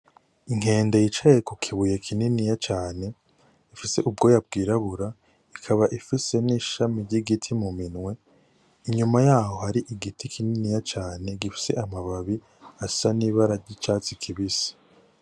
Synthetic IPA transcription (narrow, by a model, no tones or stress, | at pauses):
iŋ̥e̞ːndejit͡ʃajekukʰiβuje̞kʰininijat͡ʃaːne̞ | ifise̞ʔub̚ɡo̞jab̚ɡiːɾaβuɾa | ikʰaβaʔifise̞niːʃamiɾɟiɡitʰimuminŋwe̞ | iɲumajaːho̞haɾiʔiɡitʰikʰininijat͡ʃaːne̞ɡifi̥se̞̰ʔamaβaβi | asaniβaɾaɟit͡ʃaːt͡sikʰiβisi̥